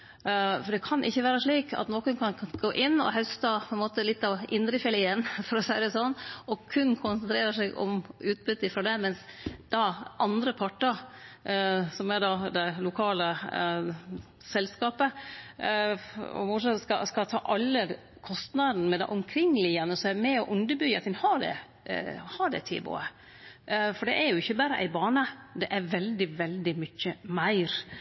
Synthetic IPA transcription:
fɔɖɛkʰɑnʔɪçːəʋæːɾəʂɭiːkɑ̰t̪noːkənkʰɑnɡ̥oːʔɪnːɔ̰ɦœst̪ɑpʰɔɛnmoːt̪əlɪt̪ːɑʋʔɪnd̪ɾəfɛlɪɛnːfɔɾɔsæɪd̪əsɔnːʔɔkʰʉnkʰʊnsənt̪ɾeːɾəʂɛɪɡɔ̰mʉːt̪̚bʏt̪ːɪfɾɔd̪ɛmɛnsd̪̥ɑʔɑnd̪ɾəpʰɑʈːəɾ | sɔmɛɖɑd̪ɛlʊkʰɑːlə | sɛlskɑːpə | ɔ̰mʊʂɑskɑskɑt̪ʰɑ̰ːʔɑlːə | kʰɔst̪nɑd̪n̩mɛd̪ɛ̰ʔʊmkʰɾɪŋːəlɪjænəsɔɛmɛɔʔʉnd̪əbʏɡəɑt̪ɛnhɑɖ̪ɛ̰ | hɑɾɖɛ̰t̪ʰɪ̰bo̰ːə | fɔɖɛʔæɾjʊɪçːəbæːɾəʔæ̰ɪbɑːɳəd̪ɛʔæɾʋɛld̪ɪʋɛld̪ɪmʏçːəmæɪɾ

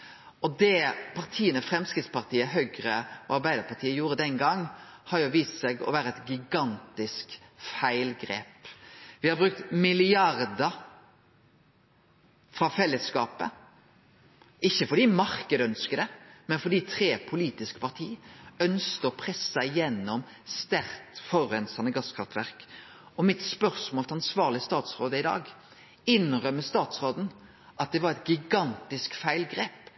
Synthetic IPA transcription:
ʔɔd̪ɛpʰɑʁt̪ʰiːənəfɾɛmskɾɪt̪spɑʁt̪ʰiːəhœɡɾəɑɾbæɪd̪əɾpɑɾt̪ʰiːəjuːɾəd̪ɛnɡɑŋːhɑɾjʊʋiːssɛːɡɔ̰ʋæːɾəɛt̪ɡʏɡɑnt̪ɪskfæɪlɡɾeːpʋɪhɑɾbɾʉk̚t̪mɪlɪɑɾd̪ə | fɾɑfɛlːəskɑːpə̰ | ɪçːəfɔd̪iːmɑɾkəd̪əœnskəd̪ɛmɛnfɔɖ̪iːt̪ʰɾeːpʰʊliːt̪ɪskə̥pʰɑʁt̪ʰiːœnsk̪əɔpʰʁɛsɑɪjɛnːɔm | st̪æɾt̪fɔʁɛnsɑnəɡɑskʰʁɑft̪ʰʋæʁk | ɔmɪt̪spœɾsmoːlt̪ʰɑnsʋɑːʁlɪst̪ɑːt̪sʁoːd̪əɪd̪ɑ̰ːɡ | ɪnʁœmːəst̪ɑːt̪sʁoːd̪n̩ | ʔɑt̪̚d̪ɛʋɑɾɛt̪ɡɪɡɑnt̪ɪskfæɪlɡɾeːp

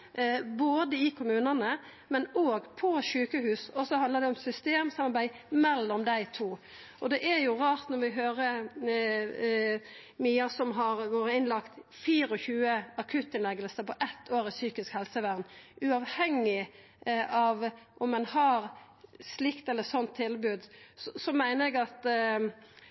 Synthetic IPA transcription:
boːd̪əɪkʰʊmʉːnənə | mɛnoːɡpʰɔʃʉːkəhʉːsɔsɔhɑnd̪ləɾd̪ɛɔmsʏst̪eːmsɑmɑɾbæɪmɛlːɔmd̪æɪt̪ʰuː | ɔd̪ɛʔæɾjʊɾɑːɾt̪nɔɾʋɪɦøːɾə | myːɑsɔmɦɑɾʋoːɾəɪnlɑkt̪fiːɾəɔçʉːəɑkʰʉt̪ːɪnlɛɡəlsəpɔʔɛt̪ʰːoːɾɪsyːkɪskhɛlsəʋæʁnʉɑʋhɛŋːɪ | ɑʋʔɔmːɛnhɑɾ | slɪkt̪ɛlːəsɔnt̪ʰːɪlbʉːd̪sɔsɔmæɪnəɾɛɡɑt̪

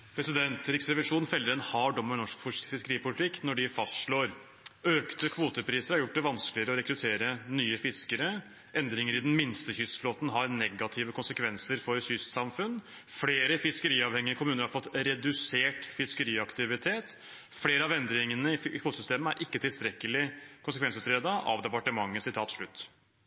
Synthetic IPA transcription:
pʰɾɛsɪd̪ɛnt̪ɾɪksɾɛʋɪʂuːnfɛlːəɾənhɑɖɔmːənɔʂkfɪskəɾiːpʊlɪt̪ʰɪkːnɔɖɪfɑst̪ʂɭoːɾ | øːkt̪əkʰʋuːt̪əpʰɾiːsəɾhɑɾjʊʈ̚ːd̪ɛʋɑnskəlɪəɾəɔɾɛkɾʉt̪ʰeːɾənyːəfɪskəɾə | ʔɛnd̪ɾɪŋəɾɪd̪ɛnmɪnst̪əçʏsfloːt̪n̩ɦɑɾnɛɡɑt̪ʰɪʋəkʰʊnsəkʰʋɛnsəɾfɔɾçʏssɑmfʉnː | fleːɾəfɪskəɾiːɑʋhɛŋɪəkʰʊmʉːnəɾhɑɾfɔt̪ːɾɛd̪ʉseːʈfɪskəɾiːɑkt̪ɪʋɪt̪ʰeːt̪ | fleːɾəɑʋɛnd̪ɾɪŋənəɪkʰʋoːt̪əsʏst̪eːməæɾʔɪkːət̪ʰɪlst̪ɾɛkːəlɪkʰʊns̬əkʰɛnsʉːt̪ɾeːd̪ɑʔɑ̰ʋd̪ɛpɑʈəmɑŋːəsɪt̪ʰɑːt̪ʂɭʉt̪ː

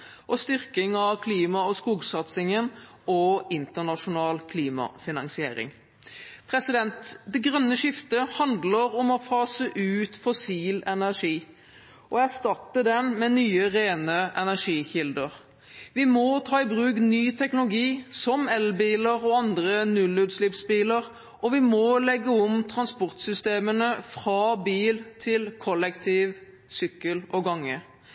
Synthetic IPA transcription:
ʔɔst̪ʏɾkɪŋɑʋkʰliːmɑɔskuːɡsɑt̪sɪŋənɔɪnt̪ənɑʂʊnɑːlkʰliːmɑ̰fɪnɑŋsɪḛːɾɪ̰ŋ | pʰɾɛsɪd̪ɛnt̪d̪ɛɡɾœnːəʃɪft̪əhɑnd̪ləɾɔmɔfɑːsəʔʉːt̪fɔsiːlɛnæʁʂiː | ɔæʁst̪ɑt̪ːəd̪ɛnmɛnyːəɾeːnəʔɛnæʂiːçɪld̪əʁ | ʋɪmɔt̪ʰɑːɪbɾʉːknyːt̪ʰɛknʊlʊɡiːsɔmɛlbiːləɾɔɑnd̪ʁənʉlʉːd̪slɪpsbiːləɾ | ɔʋɪmɔlɛɡːəɔmt̪ʰɾɑnspɔʁt̪sʏst̪eːmənəfɾɑːbiːlt̪ʰɪlkʰɔlɛkt̪ʰiːʋ | sʏkːəlɔɡɑŋːə

